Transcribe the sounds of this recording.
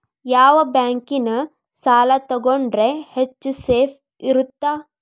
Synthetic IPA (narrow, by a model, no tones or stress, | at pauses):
jaːʋɐbjaːŋkinɐ | saːlɐt̪ɐɡoɳɖɾehet͡ʃːuseːpʰ | iɾut̪ːaː